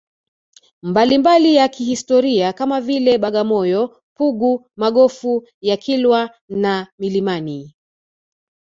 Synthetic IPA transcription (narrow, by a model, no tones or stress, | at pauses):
mbalimbalijakihistɔɾiakamavilɛɓaɠamɔjɔ | puɡu | maɠɔfu | jakʰilwa | namilimani